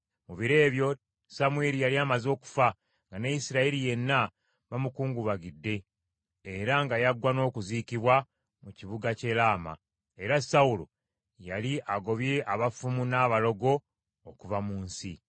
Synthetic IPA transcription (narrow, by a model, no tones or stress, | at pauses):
muβiɾe̞ːβjo̞ | samueɾijaliaːmazo̞ːku̥fa | ŋɡanejisiɾaiɾije̞nːa | βamukuːŋɡuβaɡidːe̞ː | ɾaŋɡajaɡwano̞ːkuziːkiβwa | muciβuɡace̞laːma̰ | e̞ɾasaulo̰ | jaliʔaɡo̞βje̞ʔaβafumunaːβalo̞ɡo̞ː | kuvamuːnsi